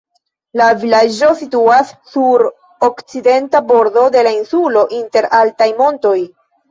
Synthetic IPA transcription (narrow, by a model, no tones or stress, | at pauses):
lavilad͡ʒo̞situasːuɾ | okt͡side̞ntabo̞ɾdo̞de̞lainsulo̞ʔinte̞ɾaltajmo̞nto̞j